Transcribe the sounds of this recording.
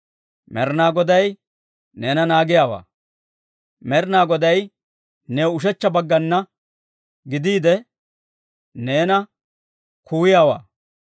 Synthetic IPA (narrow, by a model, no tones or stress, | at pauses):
mɛɾnaːɡɔd̪ɐj | neːnɐnaːɡɪjaːwa̰ː | mɛɾnaːɡɔd̪ɐj | neʊʃ̬ɛt͡ʃːɐbɐɡːɐnːɐ | ɡɪd̪iːd̪ɛ | ne̞ːnɐ | kʰuːɪjaːwa̰ː